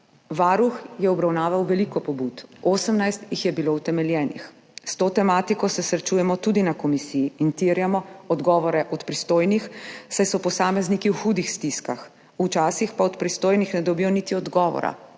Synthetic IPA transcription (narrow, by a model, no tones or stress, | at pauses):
ʋaːɾuxjɛɔbɾawnaːʋawʋɛlikɔpɔbut̪oːsəmnajst̪jixjɛbilowt̪ɛmɛljɛːnḭx | st̪oːt̪ɛmaːt̪ikɔsɛsɾɛt͡ʃuːjɛmɔt̪ud̪inakɔmisiiːnt̪iɾjamɔɔd̪ɡɔːʋɔɾɛʔɔt̪pɾist̪oːjnixsajsɔpɔsaːmɛznikiwxuːd̪ixst̪iskax | ut͡ʃaːsixpaɔt̪pɾist̪oːjnixnɛd̪ɔbijɔnit̪iɔd̪ɡɔːʋɔ̰ɾa̰